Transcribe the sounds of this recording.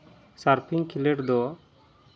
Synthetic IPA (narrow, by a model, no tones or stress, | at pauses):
saɾpʰiŋkʰilɛʈd̪ɔ